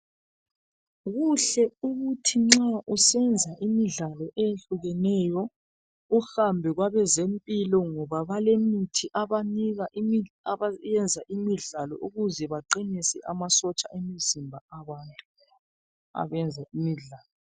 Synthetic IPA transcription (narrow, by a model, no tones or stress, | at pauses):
ɣuɬɛuɣutʰiŋ͡ǁaʔusɛnd͡zʱaʔimiɮalɔʔɛjeɬuɣɛnɛjɔ | uxambʱɛɣwaβɛzempʼilɔŋɔβaβalemitʰiʔaβaniɣaaajɛnd͡zʱaʔimiɮalɔ̰ʔuɣuzɛβaǃinisɛ̰ʔamasɔt͡ʃʼa̰ʔemizimbʱaaβaːntʼu̥ | a̰βɛnd͡zʱaʔimiɮaːlɔ